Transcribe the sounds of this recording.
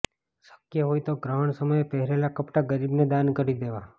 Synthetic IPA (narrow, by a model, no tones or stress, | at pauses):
sə̥kjəɦojt̪oɡɾəɦəɳsəməjepɛɦɾelakəpʈaɡəɾibned̪ankəɾid̪eʋa